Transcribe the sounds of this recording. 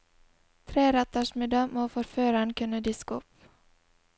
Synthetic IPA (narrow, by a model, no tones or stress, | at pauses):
t̪ʰɾeːɾɛt̪ːaʂmɛd̪amoːfɔɾføːɾankʰɵnəd̪ɪskɔp